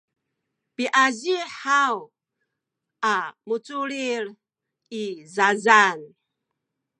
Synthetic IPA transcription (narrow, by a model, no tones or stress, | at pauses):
piʔaziħaw | ʔamut͡suɾiɾ | izazan